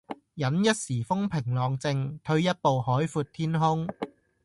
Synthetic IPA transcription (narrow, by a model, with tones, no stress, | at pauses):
jɐ˨˥njɐ˥t̚siː˨˩fʊ˥ŋpʰɪ˨˩ŋlɔː˨ŋt͡sɪ˧ŋt̪ʰɵ˧ɥjɐ˥t̚po˨whɔː˨˥jfuː˧t̚t̪ʰiː˥nɦʊ˥ŋ